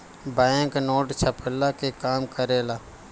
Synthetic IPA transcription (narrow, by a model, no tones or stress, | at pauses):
baːeŋknoːʈt͡ʃʰəpʰəlːakekaːmkəɾeːlaː